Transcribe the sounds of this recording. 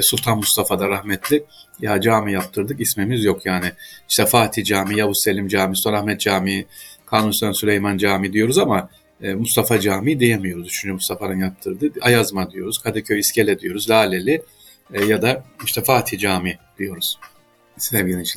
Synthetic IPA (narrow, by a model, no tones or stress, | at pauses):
sulʲt̪ʰanmust̪afad̪aɾahmɛt̪ʰlʲɪjad͡ʒaːmijap̚t̪ʰɯɾd̪ɯkismemizjo̞kjaːnɪi̥ʃt̪ɛfaːt̪ʰid͡ʒaːmijabuselʲimd͡ʒaːmisu̥t̪anahmɛt̪̚d͡ʒaːmikʰaːnunst̪ansylʲejmand͡ʒaːmid̪ijo̞ɾuzamaː | must̪afad͡ʒaːmid̪ijemijo̞ɾuzt͡ʃʰynd͡ʒymust̪ʰafaɾɯnjap̚t̪ʰɯɾd̪ɯajazmad̪ijo̞ɾuz̥kʰad̪ɛcʰøjiscʰelʲɛd̪ijo̞ɾuzlʲaːlʲelʲɪ | jad̪aiʃt̪ʰɛfaːt̪ʰid͡ʒaːmid̪̥ijo̞ɾuz̥ | sɛvɡilʲint͡ʃ